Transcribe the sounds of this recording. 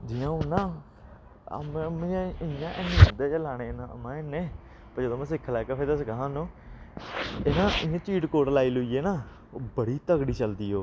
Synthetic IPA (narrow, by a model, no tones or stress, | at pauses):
d͡ʒiːãːonãː | ə̰mːmːãɪjãːʔenẽːənd̪eːd͡ʒəlaːɽ̃eːnã̰ːmãːeneː | pəɾd͡ʒəd̪oːmɛ̃ːs̬ɪkʰːlɛːkeːpʰeːd̪aːsəkaɦãːnõː | ɪnãːɪjãːt͡ʃiːʈkoːʈlaːiːlʊiːeːnaː | bəɽiːt̪əɡɽiːt͡ʃəld̪iːɦoː